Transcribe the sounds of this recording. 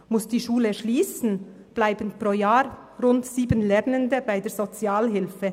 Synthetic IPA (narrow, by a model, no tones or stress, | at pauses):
mʊsd̥iːʃuːləʃliːsn̩ | b̥laɪbən̩pʁoːjaːɾ | ʁʊntsiːbənlɛʁnəndəbaɪdeːɐzot͡sjaːlɦɪlfə